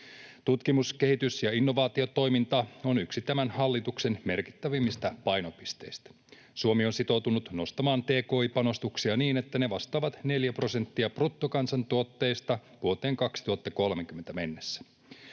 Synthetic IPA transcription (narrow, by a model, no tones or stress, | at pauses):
t̪ut̪kimuske̞hit̪ysjɑinːo̞ʋɑːt̪io̞t̪o̞jmint̪ɑo̞nyksit̪æmænhɑlːit̪ukse̞nme̞rki̥t̪ːæʋimːist̪æpɑjnopist̪e̞̰ist̪æ̥ | suomio̞nsit̪o̞wt̪unut̪no̞st̪ɑmɑːnt̪e̞ːko̞ːipɑno̞st̪uksiɑniːne̞t̪ːæne̞ʋɑst̪ɑːʋɑt̪ne̞ljæpro̞se̞nt̪ːiɑprut̪ːokɑnsɑnt̪uot̪ːe̞jst̪ɑʋuot̪e̞ːŋkɑksi̥t̪uhɑt̪ːɑko̞lmekymːent̪æme̞nːesːæ̥